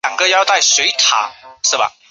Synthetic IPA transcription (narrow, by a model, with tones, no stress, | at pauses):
a˨˩ŋɡə˧˦jɑ˥˧ʊt̪a˥˩ɪswe˧˥ɪt̪ʰa̰˨˦ʂɻ̩˥˩bɐ̰˨˩